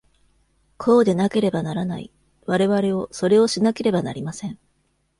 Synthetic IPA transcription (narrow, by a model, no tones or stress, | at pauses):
kʰo̞ːd̪e̞nake̞ɾe̞banaɾanaḭ | βaɾe̞βaɾe̞o̞so̞ɾe̞o̞ɕinake̞ɾe̞bana̰ɾʲimasẽ̞ɴ